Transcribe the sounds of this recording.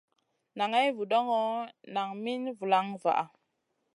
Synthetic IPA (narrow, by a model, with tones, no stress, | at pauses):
na˨ŋa˦jvu˨ɗo˦ŋɔ˦na˨ŋmi˦nvu˨la˦ŋva̰˨ʔa˨